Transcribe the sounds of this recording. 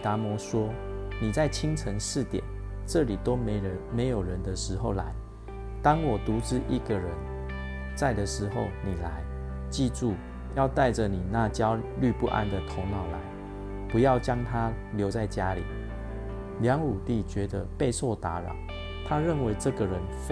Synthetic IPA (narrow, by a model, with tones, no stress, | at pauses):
t̪a˧˥mwɔ˧˥ʂwɔ˥ni˨˩t͡sa˥˩ɪt͡ɕʰi˦ŋt͡sʰə˧˥ŋʂɻ̩˥˨t̪jɛ̰˨˩˦n | ʈ͡ʂɤ˥˨li˨˩t̪o˦ʊmme˧˦ɪjo˨˩ʊɻə˧˦nd̪ə˨ʂɻ̩˧˥xo˥˩ʊla˧˦ɪ | t̪ɑ˥ŋwɔ˨˩t̪u˨˦ʈ͡ʂɻ̩˥˧ʔi˥˩ɡə˨ɻə˧˦n | t͡sa˥˩ɪd̪ə˨ʂɻ̩˧˥xo˥˨ʊni˨˩la˧˦ɪ | t͡ɕi˥˧ʈ͡ʂu˥˩ | jɑ˥˧ʊt̪a˥˩ɪʈ͡ʂə˨ni˨˩na˥˨t͡ɕjɑ˦˥ʊly˥˧pu˥˧ʔa̰˥nd̪ə˨t̪ʰo˧˥ŋnɑ˨˩ʊla̰˧˦ɪ | pu˨˧˦jɑ˥˩ʊt͡ɕjɑ˦˥ŋt̪ʰa˦ | ljo˧˥ʊt͡sa˥˩ɪt͡ɕja˦lḭ˨˩ | ljɑ˧˥ŋu˨˩t̪i˥˩t͡ɕɥɛ˧˥d̪ə˧pe˥˧ɪso˥˩ʊt̪a˧˦ɻɑ̰˨˩˦ʊ | t̪ʰa˦˥ɻə˥˨nwe˧˥ɪʈ͡ʂɤ˥˨ɡə˨ɻə˨˦nf